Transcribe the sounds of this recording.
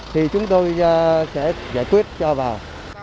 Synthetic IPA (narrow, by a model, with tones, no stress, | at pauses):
t̪ʰi˨˩t͡ɕʊ˨˦ŋ͡mt̪o˧jsɛ̰˧˥zaː˧˩jkwi˦˥ət̚t͡ɕɔ˧vaː˨˩w